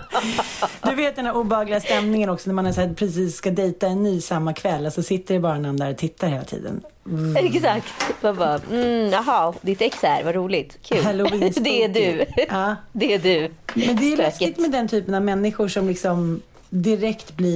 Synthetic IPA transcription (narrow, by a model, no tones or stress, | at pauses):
d̪ɵveːt̪d̪ɛnd̪æɾuːbɛhɑːɡlɪɡast̪ɛmnɪŋənɔksɔnæɾmanɛʂæːɾpʰɾɛsiːsskad̪ɛjt̪aɛnːyːsamːakʰvɛlːasɔsɪt̪ːəɖɛbɑːɾɳamd̪æɾɔt̪ʰɪt̪ʰːaɾheːlat̪ʰḭːd̪ə̰n̩ | ɛksakt̪vabɑɑɦɑd̪ɪt̪ɛksæ̰ɾvaɾuːlɪt̪kʰʉːhɛloɪsd̪ɛæɖɵɑːd̪ɛæɖʉmɛnd̪ɛːjɵlɛskɪt̪mɛd̪ɛnt̪ʰyːpənavmɛnːɪɧʊʂɔmlɪksɔm | d̪ɪɾɛkt̪blɪ